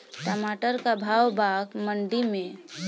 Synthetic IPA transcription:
ʈɔmaʈəɾkabʱawbaɡməɳɖimẽ

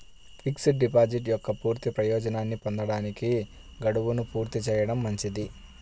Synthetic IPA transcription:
pʰiksiɖipaːd͡ʒiʈjɔkːɐpuːɾt̪ipɾɐjɔːd͡ʒɐnaːnːipond̪ɐɽaːniki | ɡɐɽuʋunupuːɾt̪it͡ʃɛːjɐɽɐmːɐɲt͡ʃid̪i

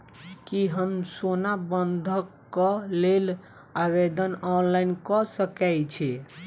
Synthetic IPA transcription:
kiɦəmsonabənd̪ʱəkːɔlel | aβed̪ənɔnlainkɔsəkɛjt͡ʃʰɛ

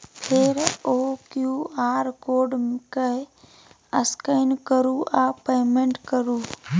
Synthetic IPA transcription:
pʰeːɾoːkjuːaːɾkoːɖmkəɪ | əskəɪnkəɾuʔaːpeːmẽɳʈkəɾuː

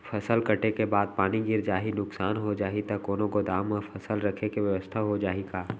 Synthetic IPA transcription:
fʰɐsəlkɐʈekebaːd̪̚paːniɡɪɾd͡ʒaːɦinʊksaːnɦod͡ʒaːɦit̪ɐkoːnõkod̪aːmːəfʰɐsəlɾɐkʰekeʋjəʋəst̪ʰaɦod͡ʒaːɦiɡaː

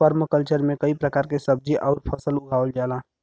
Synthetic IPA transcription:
pəɾməkəlt͡ʃəɾmẽkəipɾəkaːɾkesəb̚d͡ʒiʔɔːʊɾpʰəsəlʊɡʱaːʋəld͡ʒaːlãː

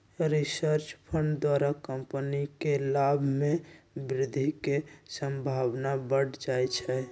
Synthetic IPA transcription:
ɾisəɾt͡ʃpʰəɳɖd̪waɾakəmpənikelabʱmebɾɪd̪ʱːikesəmbʱabnabəɽd͡ʒajt͡ʃʰɛ

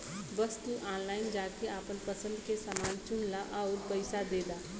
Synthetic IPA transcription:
bəst̪uʔaːnlaːɪnd͡ʒaːkeaːpənpəsə̃nd̪kesamaːnt͡ʃʊnlaʔaːɾpəɪsad̪eːd̪aː

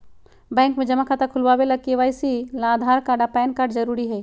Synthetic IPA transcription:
bɛ̃ːŋkmẽd͡ʒɐmakʰat̪ɐkʰʊlʋabelɐɡ̚keʋaːjsilaːd̪ʱaːɾkaɾɖapɛːnkaɾɖzɐɾuːɾiɦɛː

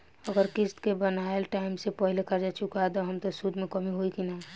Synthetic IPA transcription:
əɡəɾkist̪kebənaelʈaɪimsepəɦilekəɾd͡ʒat͡ʃʰukad̪ɔɦəmt̪osud̪mekəmiɦoikina

